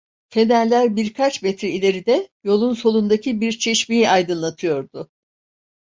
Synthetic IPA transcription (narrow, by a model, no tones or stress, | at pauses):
pʰe̞nællʲæɾbiɾkʰat͡ʃmet̪ɾiilʲe̞ɾid̪ɛjo̞lˠunso̞lˠund̪acʰibiɾt͡ʃʰe̞ʃmijiajd̪ɯnlˠat̪ʰɯjo̞ɾd̪ʊ